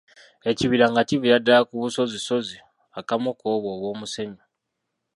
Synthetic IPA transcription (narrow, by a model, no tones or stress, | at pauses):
e̞ciβiɾaŋɡaciβijadːaakuβuso̞ziso̞zi | akamokoːβoːβwo̞ːmuse̞ɲo